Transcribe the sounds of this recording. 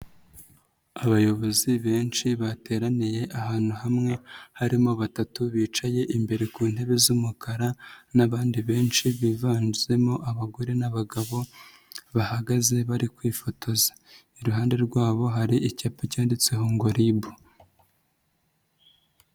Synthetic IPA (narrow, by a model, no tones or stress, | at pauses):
aβajo̞βo̞ziβe̞ːnt͡ʃiβate̞ːɾanije̞ʔaɦaːn̥huɦamŋe̞haɾimo̞βatatuβiːt͡ʃaje̞ʔimbe̞ɾe̞kuːn̥he̞βe̞zumukʰaɾanaβaːndiβe̞ːnʃiβivaːnze̞mo̞ʔaβaɡo̞ɾe̞naβaɡaβo̞ | βahaɡaze̞βaɾikwiːfo̞tʰo̞zḁ | iɾuɦaːnde̞ɾɡwaːβo̞ɦaɾiʔicapacaːndit͡seɦoːŋɡo̞ɾibu